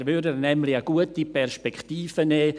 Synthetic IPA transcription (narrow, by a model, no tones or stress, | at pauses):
ɾvʏdənɛmlɪaɡuətipʰɛrʃpɛktiːfəneː